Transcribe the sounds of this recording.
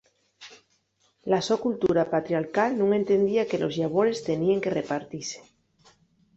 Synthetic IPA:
lasokult̪uɾapat̪ɾjaɾkalnũŋe̞nt̪e̞nd̪iakelʔo̞zʎaβ̞oɾe̞st̪e̞nieŋke̞repaɾt̪ise̥

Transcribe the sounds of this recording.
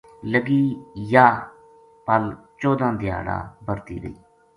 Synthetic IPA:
ləɡiːjaː | pəl | t͡ʃoːd̪ãːd̪ɪja̰ːɽa̰ːbəɾt̪ḭːɾə̰iː

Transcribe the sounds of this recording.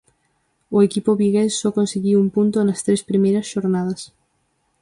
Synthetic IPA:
oekipoβiɣenssɔkonseɣiwumpunt̪onɐst̪ɾespɾimejɾɐsʃoɾnað̞ɐs

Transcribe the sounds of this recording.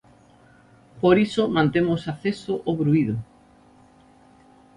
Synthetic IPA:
poɾisomãnt̪emosaθesoʔoβɾuiðʊ

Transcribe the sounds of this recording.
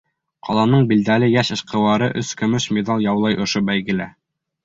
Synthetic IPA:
qʰɑlˠɑnɤɴbild̪ælɘjæʃɤ̆ʃqɤ̆wɑɾɤʔɵskɵ̆mɵʃmʲed̪ɑlˠjɑwlˠɑjʔŏʃobæjɡɘ̆læ

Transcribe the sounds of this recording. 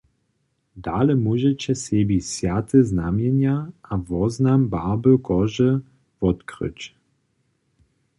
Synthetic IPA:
d̪alɛmuʒɛt͡ɕɛsebisjat̪ʰəznamjɛnjaʔavɔznambabəkɔʒə | vɔt̪kʁə̰t͡ɕ

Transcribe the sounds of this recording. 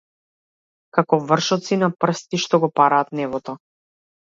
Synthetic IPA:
kakɔvr̩ʃɔt̪sinapr̩st̪iʃt̪ɔɡɔpaɾaːt̪nɛvɔt̪ɔ

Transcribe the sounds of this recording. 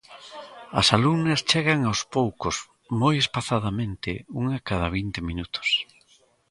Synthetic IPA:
ɐ̰saluŋnɐst͡ʃɛɣaŋawspowkos | mojespaθað̞amẽnt̪ɪuŋakað̞aβ̞int̪emĩnut̪ʊ̥s

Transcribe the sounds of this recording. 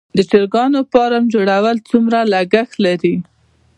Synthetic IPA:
d̪ət͡ʃeɾɡɑnopɑɾamd͡ʒoɽawəlt͡sumɾalaɡaxlaɾi

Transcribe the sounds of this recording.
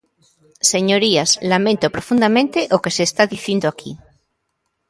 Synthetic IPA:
seɲoɾiaslamẽnt̪opɾofund̪amẽnt̪eʔokeseːst̪aðiθind̪oakʰi

